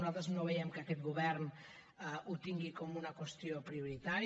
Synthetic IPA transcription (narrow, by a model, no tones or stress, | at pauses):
nat̪aznoβejɛmkakɛt̪̚ɡuβɛɾn | ut̪iŋɡikomunakwest̪iopɾiuɾit̪aɾ